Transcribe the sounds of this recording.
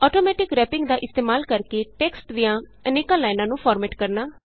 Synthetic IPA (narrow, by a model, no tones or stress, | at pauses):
ɔːʈoːmɛːʈɪkɾɛːpɪ̃ŋɡd̪aːʔɪst̪eːmaːlkəɾkeːʈɛːksʈd̪ijãː | əneːkaːlaːɪnãːnũːpʰɔːɾmɛːʈkəɾnaː